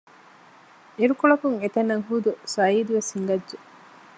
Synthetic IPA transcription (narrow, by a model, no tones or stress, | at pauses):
eɾukoɭɐkuŋet̪ɐnːɐŋɦuːd̪usɐiːd̪uʋeshiŋɡɐdʒe